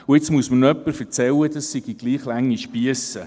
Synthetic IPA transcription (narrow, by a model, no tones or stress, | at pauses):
ʊɪt͡smuəsmənœpːəɾfəɾt͡sɛlːədɑsiɡ̥iɡ̥liːχlæŋːiʃpiəsə